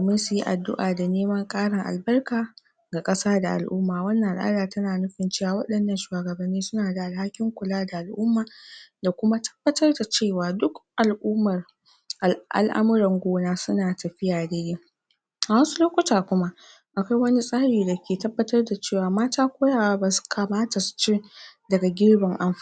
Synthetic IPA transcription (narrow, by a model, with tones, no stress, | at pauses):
dːmɪ˦nsu˨ji˦ʔa˨dːʊ̰˦ʔaː˨da˨neː˦mɐ˦ŋkʼaː˦ɽɪ˨ŋʔa̰˨lbɐ˦rkaː˨ | ɡa˨kʼɐ˦saː˦da˨ʔa̰˨lʔʊ̰˦mːaː˨wɐ˦nːɐ˨ʔa˨lʔa̰ː˦daː˨tɐ˦naː˨nʊ˦ɸɪ˨nt͡ʃeː˦˨waː˨wɐ˦ɗɐ˨nːɐ˦nʃuː˨aː˨ɡɐ˨bɐ˨nːiː˦sʊ˦naː˨da˨ʔa˨lha˦kʲɪ˦ŋkʷʊ˨laː˦da˨ʔa˨lʔʊ˦mːaː˨da˨kʷʊ˦ma˦tʰɐ̥˦b̥ːɐ˦tɐ˦rda˨t͡ʃeː˦˨waː˨dʊ˦kʔa˨lʔʊ˦mɐ˨r | ʔa˨ʔa̰˨lʔa̰˦mʊ˦ɾɐ˨ŋɡʷoː˦naː˦sʊ˦naː˨tɐ˨ɸɪ˦jaː˨daː˦jeː˦ | ʔa˨wɐ˦su˦loː˦kʷʊ˦taː˨kʷʊ˦ma˦ʔ | ʔa˨kʷa˦jwɐ˦ni˦sʼaː˦ɽiː˨da˨kʲeː˨tɐ˦bːɐ˦tɐ˦rda˨t͡ʃeː˦˨waː˨maː˦taː˦kʷoː˦jaː˦˨waː˦baː˨su̥˦kʰɐ˨maː˦ta˨su̥˨t͡ʃɪ˦dɐ˨ɡa˨ɡʲɪ˦ɽbɪ˨ŋʔa˦mɸ